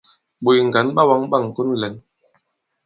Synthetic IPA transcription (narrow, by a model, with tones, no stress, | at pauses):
ɓo˨jŋ˨ɡa˨˦nɓa˦wa˨˦ŋɓa˦˨ŋ˨ku˦nlɛ˨˦n